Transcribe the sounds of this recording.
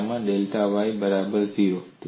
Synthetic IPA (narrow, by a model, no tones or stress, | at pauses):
mãɗelʈ̪aʋajbəɾabəɾt̪ʰijot̪